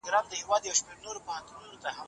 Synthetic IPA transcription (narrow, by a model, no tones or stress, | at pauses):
ɡɾɑmd̪əhɪwɑd̪jawʃmeɾnoɾopahant̪ununot̪aha